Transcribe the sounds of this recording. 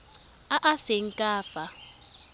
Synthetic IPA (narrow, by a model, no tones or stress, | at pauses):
aʔasɛŋ̩kʼaːfa